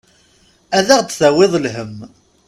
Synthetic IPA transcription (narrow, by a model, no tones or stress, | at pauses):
æðæʁt͡s̪ːθæwɪðˤlɦəm